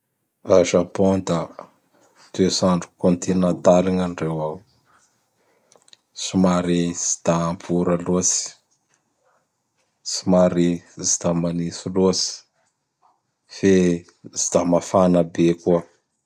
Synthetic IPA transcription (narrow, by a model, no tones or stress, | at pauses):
aʒapont̪a | d̪̥esaɳɖ͡ʐu̥kont̪inat̪aliŋanɖ͡ʐewaw | simaɾizi̥d̪aːmpʰuɾalusi̥ | si̥maɾizid̪amanisilusi̥ | fe | zid̪̥amafanəbekuə